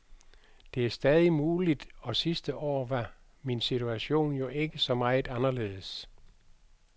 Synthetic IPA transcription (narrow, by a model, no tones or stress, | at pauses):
d̥e̝æɐsd̥ɛːð̞ˠimuːlid̥ɒ̽sisd̥əʔɒ̰ːʋɑ̈ | minsit͡sʰuæɕo̝̰ːnjo̝ʔe̝ɡ̥əsɒ̽mɑ̈ɪð̩ˠɑnɐle̝̰ːð̞̩ˠəs